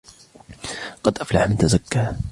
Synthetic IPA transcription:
qɑd̪ʔaflaħmɪnt̪azakːaː

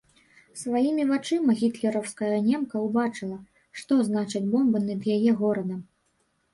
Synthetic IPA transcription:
svajimʲivat͡ʂɨmɐɣʲit̪lʲɛɾɐwskɐjɐnʲɛmkɐwbat͡ʂɨlˠɐ | ʂt̪ɔznat͡ʂɐd͡zʲbɔmbɨnɐd̪jajɛɣɔɾɐd̪ɐm

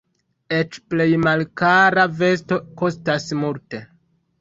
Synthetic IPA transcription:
e̞t͡ʃple̞jmalkaɾave̞sto̞ko̞stasmulte̞

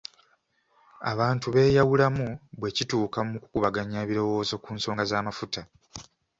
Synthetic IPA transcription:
a̰βaːntuβe̞ːjawulamuβwe̞cituːkamuku̥kuβaɡaɲaβiɾo̞wo̞ːzo̞kuːnso̞ːŋɡazaːmafuta

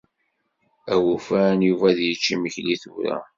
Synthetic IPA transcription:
æwufænjuvæðjət͡ʃːiməçliθṵɾæ̰

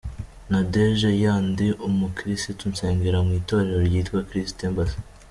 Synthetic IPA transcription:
nadeʒejaːndiʔomukɾistitunseːŋɡeɾamwiːto̞ɾe̞ɾoɾɟiːtkwakɾistembas

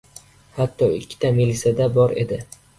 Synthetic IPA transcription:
hat̪ʰːɒɪkʲʰːɪ̥t̪ʰamilisad̪abɒɾe̞̰d̪ɪ

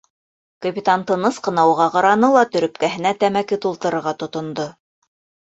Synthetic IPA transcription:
kopʲit̪ant̪ɤ̆nɤsqɤ̆nɑwʁɑqɑɾɑnɤlˠɑt̪ɵ̆ɾɵ̆pkæɦɘ̆næt̪æmækɘt̪ulˠt̪ɤ̆ɾɤ̆ɾʁɑt̪ŏt̪ŏnd̪o

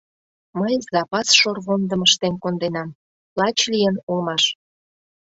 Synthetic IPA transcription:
məjzɑpɑsʃorβond̪əməʃt̪enkond̪enɑm | plɑt͡ɕlʲijənulmɑʃ

